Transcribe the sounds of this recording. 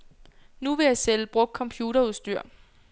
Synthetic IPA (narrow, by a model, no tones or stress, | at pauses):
nuʋe̝jɑ̈ɪseləb̥ʁɔ̽ɡ̥̚kʰɒ̽mpʰjuːɾɐuðˠsd̥yɐ̰